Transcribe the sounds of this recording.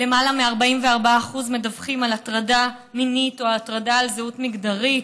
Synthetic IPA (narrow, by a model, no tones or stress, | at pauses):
le̞malameaʁbaimveaʁbaaːχuzme̞davχimalatʁada | minitoaːtʁadaːlzeutmiɡdaʁit